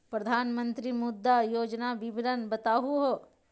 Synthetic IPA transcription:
pɾɐd̪ʱaːnmə̃nt̪ɾimud̪ːajoːd͡ʒnabibinɐnbɐt̪aːɦuɦo

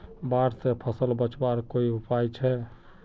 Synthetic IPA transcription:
baɾsepʰəsəlbət͡ʃbaɾkoiupajt͡ʃʰɛ

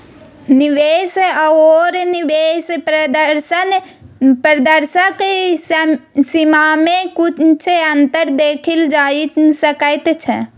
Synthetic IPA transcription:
niʋesoɾnibesd̪ɾsən | pɾəd̪əɾsəke | simamẽkut͡ʃʰeənt̪əɾd̪eːkʰild͡ʒaisəkəɪt̪t͡ʃʰɛ

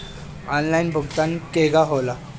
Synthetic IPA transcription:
anlainbʱuɡt̪ankeɡaɦola

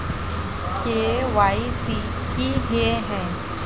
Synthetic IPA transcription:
kʰeeʋaːisi | kiɦieɦɛ̃ː

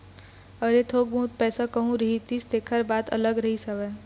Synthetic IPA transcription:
əɾet̪ʰoːɡ̚bũːt̪̚pɛːsakəɦũɾəɦit̪ist̪eːkʰəɾbaːt̪ɐ̰ləɡɾəɦisɐʋɛ

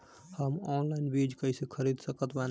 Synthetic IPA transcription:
həmɔnlaɪnbid͡ʒkəɪsekʰəɾid̪səkət̪ban

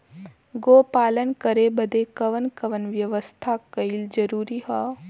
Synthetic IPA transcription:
ɡoːpaːlənkəɾebəd̪ekɐʋənkɐʋənʋjɐʋəst̪ʰakɐild͡ʒəɾuːɾiɦaː

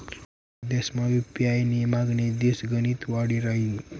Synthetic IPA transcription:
d̪esmaipjajnemaɡned̪esɡənit̪waɽiɾʌɦi

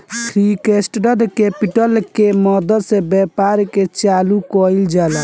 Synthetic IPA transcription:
t̪ʰɾikesʈɖəd̪kepiʈəlkemɔd̪əd̪sebɛpaɾket͡ʃalukɔild͡ʒala

